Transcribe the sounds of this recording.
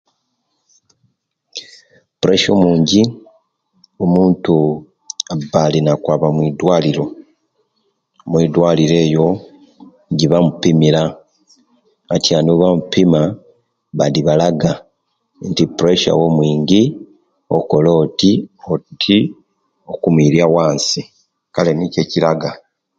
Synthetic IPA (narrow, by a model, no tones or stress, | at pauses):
puɾeʃomuːɲɟi | omuːntu | abːalinakwaːβamwidwaːliɾo̞ | mwidwaliɾe̞ːjo̞ | ɟiβamupimiɾa | tjanoβamupima | βaliβalaɡa | ntipuɾeʃa̰wo̞mwiːɲɟi | oko̞lo̞ːtiotʰi | okumwiɾjawaːnsi | kale̞nice̞cilaɡa